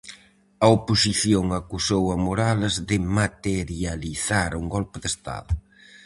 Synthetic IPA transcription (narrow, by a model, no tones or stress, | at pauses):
ɐoposiθjoŋakusowɐmoɾalɐzðɪmat̪eɾjaliθaɾuŋɡɔlpʊðest̪a̰ðʊ